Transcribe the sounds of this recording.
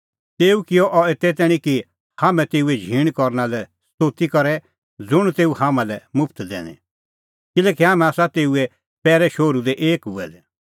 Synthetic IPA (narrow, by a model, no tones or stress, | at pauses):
t̪eːukɪjɔʔɔet̪ɛt̪ɛːɽ̃ĩki | haːmɛ̃t̪eːuɛd͡ʒʱiːɽ̃kɔɾnalɛ | st̪oːt̪ikɔɾɛ | d͡zʊɽ̃t̪eːuhamãlɛmʊpʰt̪d̪ɛ̰ːnɛ̰̃ | kɪlɛːkiɦaːmɛ̃aːsat̪eːuɛ | pɛːɾɛʃoːɾud̪ɛʔeːkɦuɛd̪ɛ